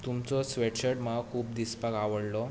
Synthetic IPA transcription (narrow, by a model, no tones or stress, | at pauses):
t̪umt͡sɔsʋeʈɕəʈmakʰuːp̚d̪ispaɡaʋəɽlɔ